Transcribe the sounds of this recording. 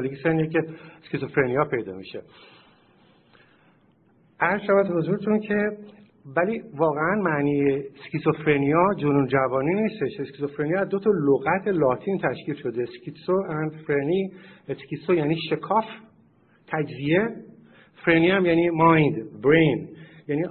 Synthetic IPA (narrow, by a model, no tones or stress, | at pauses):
liɡiseniecʰeskiso̞fɾenijɒːpʰe̞jd̪ɒ̰ːmiʃḛ | ʔæɾz̥ʃævæd̪bho̞zuːɾet̪ʰuncʰe̞ | væliːvɒːɣeænmæniːjeskisofɾenijɒd͡ʒonund͡ʒævɒːniːniːst̪e̞ʃeskisofɾeniæzd̪ot̪ʰɒːloɣæt̪ʰe̞lɒːt̪ʰint̪ʰæʃciːlʃo̞d̪e̞scisoænfɾenieskisojæniːʃe̞kʰɒːf | t̪ʰæd͡ʒzie̞ | fɾeniːhæmjæniːmɒjnd̪bɾejnjæniː